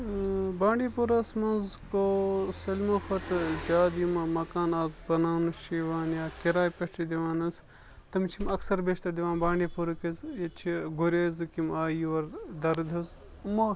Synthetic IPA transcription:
bãːɳɖiːpuɾɐsmɐnzkosɐlʲmɐxɐt̪d͡ʒaːd̪imɐmɐkaːnaːzbɐnaːnɨʃiːʋaːnjaːkiɾaːjpɐsʈʰid̪ʲiʋaːnɐs | t̪ɐmt͡ʃʰimɐksɐɾbeːʃt̪ɐɾd̪iʋãːnbãːɳɖiːpuɾkizjɐt͡ʃʰiɡuɾʲeːzkimaːiʋɐɾd̪ɐɾd̪ʱɐz | mɐ

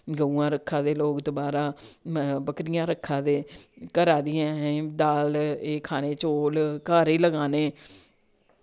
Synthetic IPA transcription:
ɡəuːãːɾəkʰːãːd̪eːloːkt̪oːbaːɾaː | bəkɾɪjãːɾəkʰːãːd̪eːkəɾaːd̪ɪjãːɦd̪aːleːkʰaːneːt͡ʃoːlkaːɾeːləɡaːneː

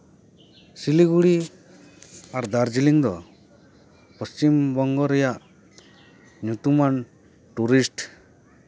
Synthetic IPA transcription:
siliɡuɽi | aɾd̪aɾd͡ʒiliŋd̪ɔ | pɔst͡ʃimbɔŋɡɔɾɛjaʔ | ɲut̪uman | ʈuɾisʈ

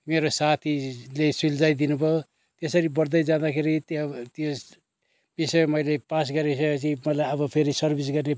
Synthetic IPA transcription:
meɾosat̪ʰilesuld͡zajd̪inubʱʌ | t̪esʌɾibʌɾd̪ʌjd͡zãd̪akʰeɾit̪t̪jo | b̥isʌmʌjlepas̬ɡʌɾesʌkʌt͡sʰimʌlajʌbʌpʰeɾisʌrbʱis̬ɡʌrne

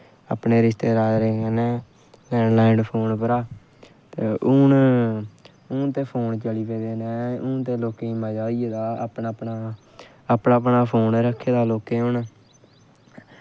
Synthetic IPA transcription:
a̰pneːɾɪʃt̪eːɾaːɾeːkənɛː | lɛːɳlaːɪɳɖpʰoːnpəɾaː | t̪eʊːn | ʊːt̪eːpʰoːnt͡ʃəliːpeːd̪eːnɛːʊːt̪eːloːkeimãːd͡ʒaːiːed̪aːpnaːpnaː | əpnaːpnaːpʰoːnɾəkʰːeːd̪aːloːkeːɦʊnː

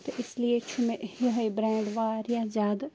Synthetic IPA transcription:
t̪ʰɪsliet͡ʃʰumeʔhiɦəjbɾɛ̃ːɖʋaɾjad͡ʒaːd̪

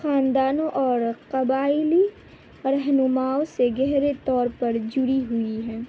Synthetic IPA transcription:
xaːnd̪aːnõʔɔːɾqɐbaːɪli | ɾɛɦnʊmaːoseɡɛɦɾet̪ɔːɾpɐɾd͡ʒʊɾiɦʊiɦɛ̃ː

